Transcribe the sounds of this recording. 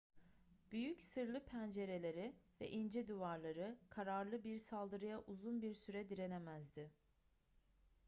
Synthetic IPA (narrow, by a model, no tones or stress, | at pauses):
b̥yjycsɯɾlˠɯpʰænd͡ʒe̞ɾe̞lʲe̞ɾivɛ̰ʔind͡ʒɛd̪uvaɾlˠaɾɯkʰaɾaɾlˠɯbiɾsalˠd̪ɯɾɯjaʔuzunbiɾsyɾɛd̪iɾe̞nɛmæzd̪ɪ